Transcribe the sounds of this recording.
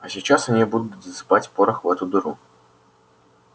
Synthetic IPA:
ɐsʲit͡ɕasɐnʲibud̪ʊt̪ʲəspatʲpoɾəxvɛt̪ʊd̪ʊɾu

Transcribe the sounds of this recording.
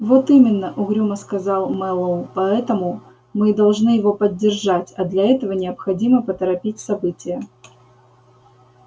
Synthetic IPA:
vot̪imʲɪnːəʔʊɣɾʲuməskɐzɑlˠmɛlˠəʊpɐɛt̪əmʊ | mɨd̪ɐlˠʐnɨjɪvo̞pədʲːɪrʐatʲɐd̪lʲɐɛt̪əvənʲɪəpxɐdʲiməpət̪əɾɐpʲitʲsɐbɨtʲɪjə

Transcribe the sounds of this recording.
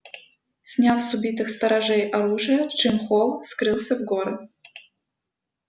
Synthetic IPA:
sʲnʲafsubʲit̪ɨxst̪ɐɾaʐɛjʔaɾuʐɨjət͡ʃɨmxolˠskɾɨlˠsʲəvɡoɾɨ

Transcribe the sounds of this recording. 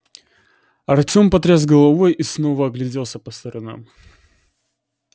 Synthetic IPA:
ɐrtʲo̞mpɐt̪ɾʲazɡəlˠɐvojisno̞vəɐɡlʲɪdʲelˠsʲəpəst̪ɐɾɐna̰m

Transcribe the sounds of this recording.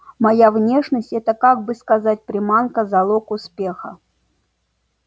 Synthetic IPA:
majavnʲeʂnəsʲtʲɛt̪əkaɡ̚bɨskazat̚ʲpɾʲɪmankəzalˠokʊspʲe̞xə

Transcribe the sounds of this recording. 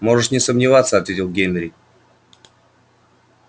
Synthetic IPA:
mo̞ʐɨʂnʲɪsəmnʲɪvat̪sːəɐt̪vʲetʲɪlˠɡʲenʲɾʲɪ

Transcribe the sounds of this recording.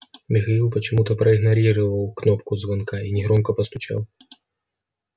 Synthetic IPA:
mʲɪxɐilˠpət͡ɕɪmut̪əpɾɐɪɣnɐɾʲiɾəvəlˠknɔpkʊzvɐnkainʲɪɣɾɔmkɐpəst̪ʊt͡ɕa̰lˠ

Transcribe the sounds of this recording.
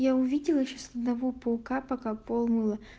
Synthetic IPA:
jaʊvʲidʲɪlˠɪɕosɐd̪nɐvopoʊkapɐkapolˠmɨlˠɐ

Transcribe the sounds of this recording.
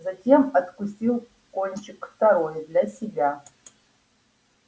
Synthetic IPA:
zatʲemadkʷʊsilˠ | kʷʼonʲt͡ʃʰɪktʰaɾojdlʲasʲibʲa

